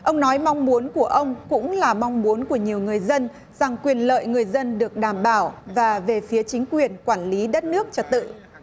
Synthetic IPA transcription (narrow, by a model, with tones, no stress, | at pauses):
ʔə˧wŋ͡mnɔ˨˦jma˧wŋ͡mmu˨˦ənku˧˩əʔə˧wŋ͡mkʊ̰˧˥ŋ͡mlaː˨˩ma˧wŋ͡mmu˨˦ənku˧˩əɲi˨˩əwŋɨ˨˩əjzə˧n | z̥a˨˩ŋkwi˨˩ənlə̰ː˧˨jŋɨ˨˩əjzə˧nɗɨ˨˩ək̚ɗaː˧˩mɓaː˧˩wvaː˨˩ve˨˩fi˨˦ət͡ɕï˨˦ŋ̟kwi˨˩ənkwaː˧˩nli˨˦ɗə˦˥t̚nɨ˦˥ək̚t͡ɕə˧t̪̚t̪ɨ̰˧˨